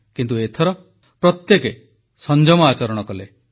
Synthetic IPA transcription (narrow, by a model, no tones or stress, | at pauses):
kint̪uet̪ʰɔɾɔ | pɾɔt̪jeke | sɔnd͡ʒɔmɔat͡ʃɔɾɔɽ̃ɔkɔle